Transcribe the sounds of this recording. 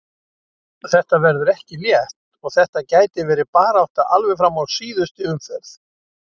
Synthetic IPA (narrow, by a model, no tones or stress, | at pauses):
θɛht̪avɛɾðʏɾɛhcɪljɛht̪ | ɔɣθɛht̪acaːjt̪ɪvɛːɾɪpaːɾaawht̪aʔalvɛfɾamːawsiːðʏst̪ɪʏmfɛɾθ